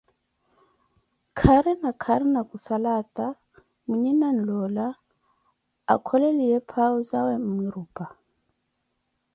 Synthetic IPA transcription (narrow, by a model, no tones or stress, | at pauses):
kʰaɾɛnakʰaɾɛnakusalatʼa | muɲɛnan̩lɔla | a̰kʰɔlɛlijɛpʰaɔzawɛm̩mwiɾuːpʼa